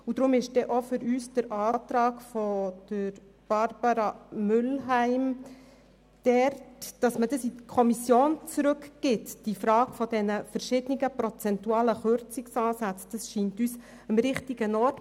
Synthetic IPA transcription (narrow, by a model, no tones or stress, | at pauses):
udɾʊmɪʃd̥ɛʔofʏɾyːsd̥əɾʔɑːt̪ɾɑːɡfɔd̥əɾ | b̥ɑɾb̥ɑɾɑmʏlɦæɪm | d̥ɛrtd̥ɑsmədəsikʰɔmisjoːnt͡sɾʉkɡ̥ɪtd̥ifɾɑːɡ̥fɔd̥ɛnəfəɾʃɪdəniɡəpɾɔt͡sɛntuɑːləχʏɾt͡sɪksɑːsat͡sd̥ɑsʃiːntyːs | əmɾɪχtiɡ̥ənɔɾt